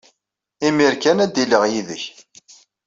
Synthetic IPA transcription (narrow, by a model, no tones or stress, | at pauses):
imiɾkænæd̪iləʁjiðəç